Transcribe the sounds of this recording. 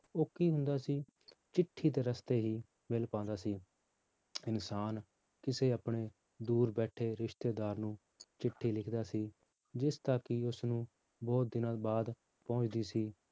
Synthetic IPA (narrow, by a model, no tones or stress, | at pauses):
oːkiːɦʊnd̪aːsiː | t͡ʃɪʈʰːiːt̪̬eːɾəst̪eːɦiː | mɪlpãːnd̪aːsiː | ɪnsaːn | kɪseːapɳeː | d̪uːɾbɛːʈʰeːɾɪʃt̪eːd̪aːɾnũː | t͡ʃɪʈʰːiːlɪkʰd̪aːsiː | d͡ʒɪst̪aːkɪʊsnũː | bɔːt̪̚d̪ɪnãːbaːd̪ | pɔ̃ʊt͡ʃd̪iːsiː